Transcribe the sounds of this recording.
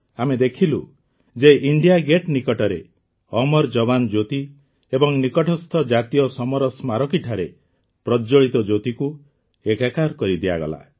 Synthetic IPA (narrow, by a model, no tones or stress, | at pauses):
amed̪ekʰilu | d͡ʒeʔiɳɖijaɡeʈnikɔʈɔɾe | ɔmɔɾd͡ʒɔband͡ʒot̪i | ebɔŋnikɔʈʰɔst̪ʰɔd͡ʒat̪ijɔsɔmɔɾɔsmaɾɔkiʈʰaɾe | pɾɔd͡ʒɔɭit̪ɔd͡ʒot̪iku | ekakaɾkɔɾid̪ia̰ɡɔ̰la̰